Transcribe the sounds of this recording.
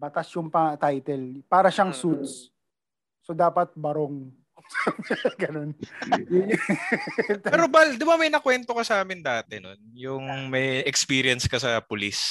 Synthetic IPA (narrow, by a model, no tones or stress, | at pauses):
bɐt̪asjʊŋpɐt̪ajt̪ɛlpaːɾɐʃaŋsut̪̚sː | od̪aːpɐt̪̚bɐɾoŋ | sɡɐno̞njʊ | t̪ɛɾobald̪ɪbamɐjnɐkwɛnt̪okɐsɐaːmɪnd̪aːt̪ɛno̰njʊŋmɐjɛkspiːɾiɐnskɐsɐpʊlis